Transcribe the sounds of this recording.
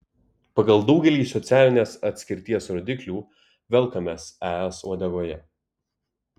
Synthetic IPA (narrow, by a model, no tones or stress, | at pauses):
pɐɡɐlˠd̪ɒʊɡʲɛlʲiːsɔt̪sʲæːlʲɪnʲeːsɐt̪ʲsʲkʲɪɾʲt̪ʲiɛsɾɔːd̪ʲɪklʲuː | ʋʲɛlˠkɐmʲeːsæɛsuɔd̪ʲɛɡoːjɛ